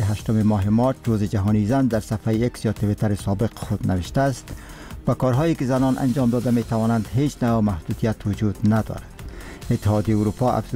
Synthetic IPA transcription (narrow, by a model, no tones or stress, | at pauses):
ɦaʃt̪ʊmemɔːɦɪmɒɾt͡ʃɾozɪd͡ʒaɦɔnizand̪aɾsafajiaksjɒt̪ɪwit̪aɾɪsɒbɪqxʊd̪nawɪʃt̪aːst̪ | bakɒɾɦɔjikɪzanɒnʔa̰nd͡ʒɒmd̪ɒd̪amet̪awɒnand̪ɦet͡ʃnawmahd̪ud̪ijat̪wʊd͡ʒud̪nad̪ɒ̰ɾad̪ | ɪt̪ːɪhɒd̪jejiuɾupɒʔa̰fz